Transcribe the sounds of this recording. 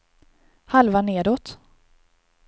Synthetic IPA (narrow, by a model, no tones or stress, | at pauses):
halvaneːd̪oːt̪